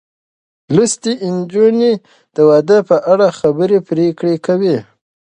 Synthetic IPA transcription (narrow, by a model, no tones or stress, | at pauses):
lust̪iʔɪnd͡ʒuni | d̪̥əwad̪əpəʔaɽaxabəɾepɾekɽekawi